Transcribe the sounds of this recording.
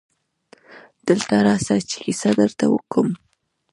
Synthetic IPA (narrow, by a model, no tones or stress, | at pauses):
d̪̥əlt̪aɾɑsaɾt͡ʃi̥xisad̪əɾt̪awə̰kəm